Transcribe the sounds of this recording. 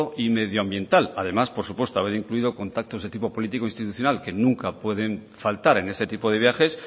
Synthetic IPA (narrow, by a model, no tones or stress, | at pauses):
oʔime̞ðjoambje̞nt̪alaðe̞maspo̞ɾsupwe̞st̪oaβ̞e̞ɾiŋkluið̞o̞ko̞nt̪ak̚t̪o̞zðe̞t̪ipo̞po̞lit̪iko̞inst̪it̪uθjo̞nalke̞nũŋkapwe̞ðe̞ɱfalt̪aɾe̞ne̞st̪e̞t̪ipo̞ð̞e̞βjaxe̞s